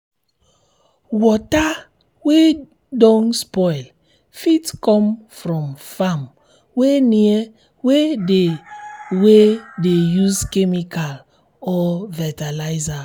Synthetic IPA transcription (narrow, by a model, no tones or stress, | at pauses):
wɔta | we | dɔ̃nspɔɪl | fitkɔ̃mfɾɔ̃mfam | weniɛ | wede | wedejuzkɛmikal | ɔvɛtalaɪza